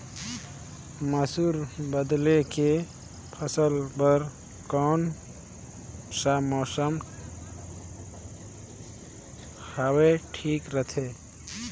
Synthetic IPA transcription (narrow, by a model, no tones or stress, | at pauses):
məsuɾbəd̪leke | pʰəsəlbəɾ | kɔːn | samɔːsəm | haweʈʰikɾət̪ʰe